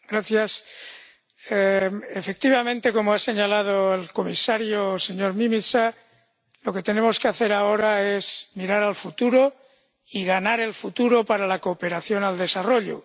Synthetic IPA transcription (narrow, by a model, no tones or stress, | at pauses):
ɡ̥ɾaθjas | eefe̞k̚t̪iβamẽ̞nt̪e̞ko̞moase̞ɲalað̞oelko̞misaɾjose̞ɲo̞ɾmĩmisa | lo̞ke̞t̪e̞nemo̞skeaθe̞ɾao̞ɾae̞zmiɾaɾalfut̪uɾo̞ | iɣanaɾe̞lfut̪uɾo̞paɾalako̞ːpe̞ɾaθjo̞nald̪e̞saro̞ʎo̰